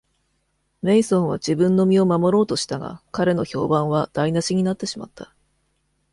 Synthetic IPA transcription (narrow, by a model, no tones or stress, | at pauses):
ɾe̞isõ̞ɰ̃βad͡ʑibɯ̟̃nːo̞mʲio̞mamo̞ɾo̞ːt̪o̞ɕi̥t̪aɡa̰kaɾe̞no̞ço̞ːbãɰ̃βad̪̥ainaɕiɲ̟inat̪ːe̞ɕima̰t̪ʰːḁ